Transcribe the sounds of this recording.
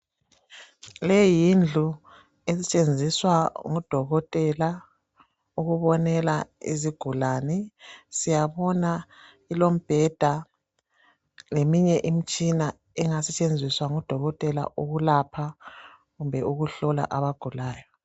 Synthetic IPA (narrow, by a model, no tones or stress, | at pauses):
lɛjind͡ɮʱu | esɛt͡ʃʼend͡zʱiswaŋɔd̥ʱɔɣɔtʼɛla | uɣuβɔnɛlaḭziɡ̥ʱulaːnɛsijaβɔna | ilom̩b̥ʱɛd̥ʱa | lemiɲɛʔim̩t͡ʃʼina | ɛŋasɛt͡ʃʼend͡zʱiswaŋɔd̥ʱɔɣɔtʼɛla̰ʔuɣulapʰa | ɣumbʱɛʔuɣuɬɔla̰ʔaβaɡ̥ʱulaːjɔ